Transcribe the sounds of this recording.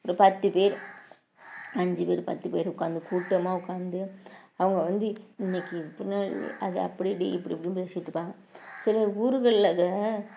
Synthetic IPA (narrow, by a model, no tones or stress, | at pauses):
ɔɾɯpɐt̪ːɯpeːɾ | ɐɲd͡ʒɯpeːɾpɐ̰t̪ːɯpeːɾʊkːaːnd̪ɯkuːʈːɐmaːʊkːaːnd̪ɯɐʋɐŋɡɐʋɐnd̪ɯɪnːɛkːɯpɪnːaːɭ̰ʔɐðɛɐpːɐɽɪɽḭɪpːɐɽipːɐɽijmpeːsɪʈːɯpːaːŋɡɐ | sɪlɐuːɾɯɣɐɭɪlaːɣɐ